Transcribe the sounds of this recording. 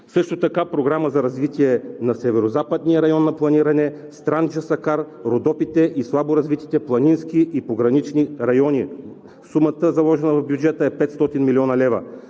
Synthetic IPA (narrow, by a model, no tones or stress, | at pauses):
sɤʃt̪ot̪ɐkapɾoɡɾaməzɐɾɐzvit̪iɛnɐsɛvɛɾozapəd̪nijəɾɐjɔnːɐplˠɐniɾɐnɛ | st̪ɾand͡ʒɐsɐkaɾɾod̪ɔpit̪ɛʔislˠaboɾɐzvit̪i̥t̪ɛplˠɐninskiʔipoɡɾɐnit͡ʃniɾɐjɔni | sumɐt̪əzɐlˠɔʒɛnəvɐvbjud͡ʒɛt̪əɛpɛt̪st̪ɔt̪inmiliɔnɐlɛvɐ̰